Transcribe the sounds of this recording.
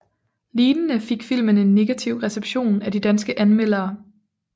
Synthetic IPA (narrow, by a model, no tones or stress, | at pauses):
liːnənəfe̝ɡ̥fil̰məne̝nːe̝ɡ̥æt͡sʰiʊ̰ʁɛseb̥ɕo̝̰ːnæd̥id̥ænsɡ̥əʔænmel̰ɐː